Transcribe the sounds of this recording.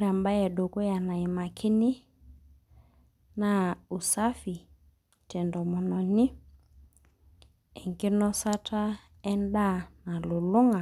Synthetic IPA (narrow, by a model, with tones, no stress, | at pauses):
ɾa˨mba˦jɛ˨do˨ko˦ja˨na˨i˨ma˨kʰɪ˦nɪ˦ | na˦u˨sa˦fi˨ | t͡ʃɛ˨ndɔ˨mɔ˨nɔ˨nɪ˦ | ɛ˨ŋɡe˦nɔ˦sa˦tʰa˦ | ɛ˦nda˦˨na˨lo˨lo˦ŋa˨